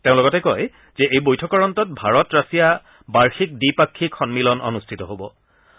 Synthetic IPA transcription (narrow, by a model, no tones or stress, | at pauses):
teʊ̃lɔɡɔtɛkɔj | zɛʔejbojtʰɔkɔɹɔntɔt̚bʱaɹɔtɹasija | baɹxik̚dipakʰːikʰːɔnmilɔnɔ̰nustʰitɔɦobɔ